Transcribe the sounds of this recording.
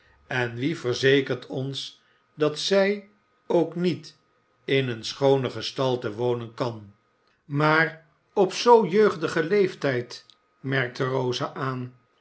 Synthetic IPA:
ɛnʋivəɹzejkəɹtʰɔns | dɑtsɛj | owknit | ɪnənsχownəχəstɑlˠtəʋownənkɑn | maːr | ɔpsowjøɥχdəχəlejftɛjt | mɛɹk̚tərowzaʔaːn

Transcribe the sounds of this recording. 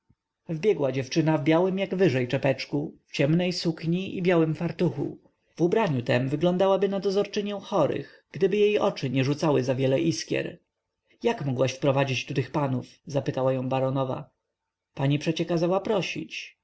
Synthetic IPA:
vbʲjɛɡwad͡ʑɛft͡ʂɘnavbʲjawɘmjaɡvɘʐɛjt͡ʂɛpɛt͡ʂkuft͡ɕɛmnɛjsukɲiʔibʲjawɘmfaɾt̪uxṵ | vubɾaɲut̪ɛmvɘɡlɔ̃nd̪awabɘnad̪ɔzɔɾt͡ʂɘɲɛw̃xɔɾɘ̰x | ɡ̥d̪ɘbɘjejʔɔt͡ʂɘɲɛʐut̪sawɘzavʲjɛlɛʔiskʲjɛ̰ɾ | jakmɔɡwaɕfpɾɔvad͡ʑit͡ɕt̪ut̪ɘxpanufzapɘt̪awajɔ̃w̃baɾɔnɔva̰ | paɲipʂɛt͡ɕɛkazawapɾɔɕḭt͡ɕ

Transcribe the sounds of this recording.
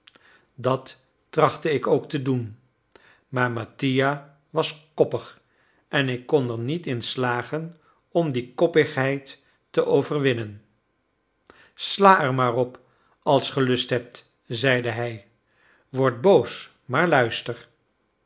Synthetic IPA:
dɑtː | rɑχtəɪkowktədun | maːɹmatija | ʋɑskɔpəχ | ʔɛnɪkːɔnɛɹnitɪnslaːχən | ɔmdikɔpəχɦɛjtː | əʔowvəɹʋɪnən | slaːɛɹmaːrɔp | ɑlˠsχəlɵstɦɛp̚t | zɛjdəɦɛj | ʋɔɹt̚bows | maːɹlœɥstəɹ

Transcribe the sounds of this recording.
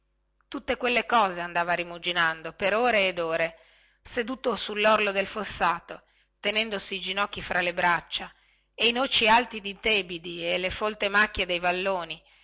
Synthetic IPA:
t̪ut̪ːekwelːekɔːzeand̪aːvaɾimud͡ʒinand̪opeɾoːɾeːd̪oːɾe | sed̪uːt̪osulːɔrlod̪elfosːaːt̪o | t̪enɛnd̪osiːd͡ʒinɔkːifɾʔalebɾat͡ʃːa | einot͡ʃialt̪id̪it̪eːbid̪ielefolt̪emakːjed̪ejvalːoːni

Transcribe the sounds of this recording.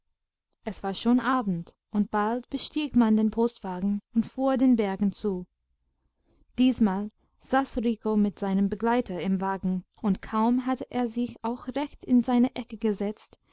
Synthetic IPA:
ʔɛsv̥aːɐʃoːnʔaːbn̩t | ʊnt̚b̥altb̥əʃtiːɡmandeːnpʰostv̥aːɡŋ̩ʊntfuːɐdeːnbɛɐɡŋ̩t͡suː | d̥iːsmaːl | z̥aːsʁiːkomɪtz̥aɪnəmbəɡlaɪtɐɪmvaːɡŋ̩ | ʊntkʰaʊmɦatəʔeːɐzɪçaʊxʁɛçtɪnzaɪnəʔɛkəɡəzɛt͡st

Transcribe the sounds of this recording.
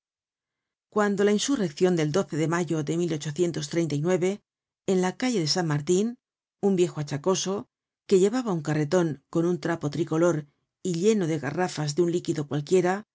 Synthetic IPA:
kwand̪o̞lainsure̞kθjo̞nd̪e̞ld̪o̞θe̞ðe̞maʝo̞ðe̞milo̞t͡ʃo̞θje̞nt̪o̞st̪ɾe̞jnt̪ainwe̞βe̞ː | nlakaʎe̞ðe̞sanmaɾt̪in | umbje̞xoat͡ʃako̞so̞ | ke̞ʎe̞β̞aβauŋkare̞t̪o̞ŋko̞nunt̪ɾapo̞t̪ɾiko̞lo̞ɾ | iʎe̞no̞ðe̞ɣa̰rafazðeunlikiðo̞kwalkje̞ɾa

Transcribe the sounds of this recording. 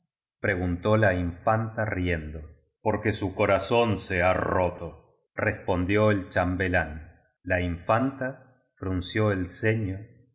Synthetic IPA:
pɾeɣ̞unt̪o̞laiɱfant̪arjend̪o | po̞ɾkesukoɾasonsearot̪o | respo̞nd̪joelt͡ʃambelan | laiɱfant̪a | fɾunsjoelseɲo

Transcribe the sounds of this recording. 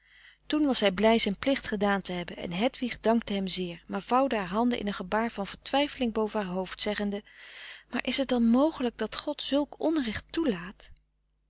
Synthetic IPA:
tunʋɑsɦɛjblɛjzɛjnplɪχtχədaːntəɦɛbənʔɛ̰nɦɛtʋiχdɑŋk̚təɦɛmzɪːɹmaːɹv̥ɑwdəɦaːɹɦɑndəʔɪ̰nənχəbaːɹv̥ɑnv̥əɹtʋɛjfəlɪŋbowvəɦaːɹɦowftsɛχəndəmaːɹʔɪsɦət̚dɑnmowχələɡ̚dɑtχɔtsɵlˠkɔnrɛχtulaːt

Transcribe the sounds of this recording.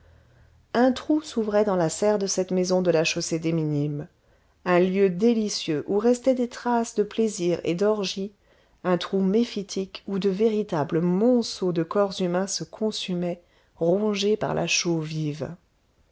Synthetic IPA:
ɛ̃t̪χusuvʁɛd̪ɑ̃lasɛʁd̪əsɛt̪mezɔ̃d̪əlaʃosed̪eminim | ɛ̃ljød̪elisjøʔuʁɛst̪ɛd̪et̪χasd̪əpleziʁḛd̪ɔʁʒi | ɛ̃t̪χumefit̪ʰikud̪əveʁit̪abləmɔ̃sod̪əkɔʁzymɛ̃səkʰɔ̃symɛ | ʁɔ̃ʒepa̰ʁlʔa̰ʃoviv

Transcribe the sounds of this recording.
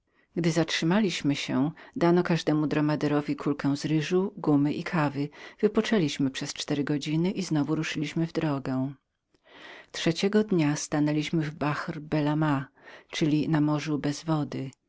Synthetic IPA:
ɡd̪ɘzatʂɘmalʲiɕmɘɕɛd̪anɔkaʐd̪ɛmud̪ɾɔmad̪ɛɾɔvʲikʰulkɛ̃w̃zɾɘʐuɡumɘʔikʰavɘv̥ɘpɔt͡ʂɛlʲiɕmɘpʂɛst͡ʂt̪ɛɾɘɡɔd͡ʑinɘʔiznɔvuɾuʂɘlʲiɕmɘvd̪ɾɔɡɛ̃ | tʂɛt͡ɕɛɡɔd̪ɲast̪anɛlʲiɕmɘvbaxrbɛlamat͡ʂɘlʲinamɔʐubɛzvɔd̪ɘ

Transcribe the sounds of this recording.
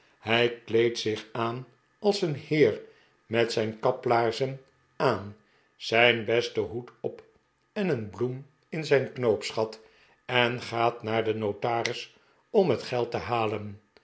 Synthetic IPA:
hɛjklejtsɪχaːn | ɑlˠsənhɪːɹ | mɛtsɛjnkɑplaːɹzən | aːn | z̥ɛjnbɛstəɦutɔp | ɛnənblum | ɪnzɛjnknowpsχɑt | ɛnχaːtnaːɹdənowtaːrɪs | ɔmɦətχɛlˠtəɦaːlən

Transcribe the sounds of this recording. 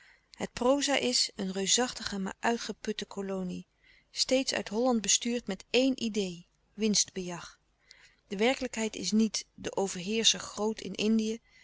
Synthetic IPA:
hət̚prowzaːʔɪsənrøɥsɑχtəχəma̰ːɹʔœɥtχəpɵtəkʰolowni | stejtsœ̰ɥtɦɔlɑnd̚bəstyːɹtmɛtejnʔidej | ʋɪnsd̚bəjɑχ | d̥əʋɛɹkələkɦɛjtɪ̰snitdəʔowvəɹɦɪːɹsəɹχrowtʰɪ̰nʔɪndijə

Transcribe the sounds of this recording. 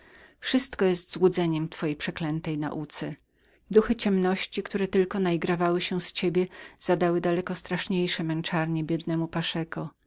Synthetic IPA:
fʂɘst̪kɔjɛst̪zwud̪zɛɲɛmt̪fɔjejpʂɛklɛnt̪ɛjna̰ʔut̪sɛ | d̪uxɘt͡ɕɛmnɔɕt͡ɕikt̪uɾɛt̪ɘlkɔnaiɡɾavawɘɕɛst͡ɕebʲjɛz̥ad̪awɘd̪alɛkɔst̪ɾaʂɲejʂɛmɛnt͡ʂaɾɲɛbʲjɛd̪nɛmupaʂɛku

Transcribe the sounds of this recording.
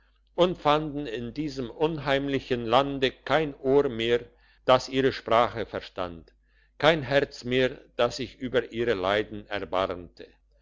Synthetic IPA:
ʔʊntfandn̩ɪndiːzəmʔʊnɦaɪmlɪçənlandəkʰaɪnʔoːɐmeːɐ | d̥asʔiːʁəʃpʁ̥aːχəfɛɐʁʃta̰nt | kʰaɪnɦɛʁt͡smeːɐd̥asz̥ɪçʔyːbɐʔiːʁəlaɪdn̩ɛ̰ɐba̰ʁmtʰə

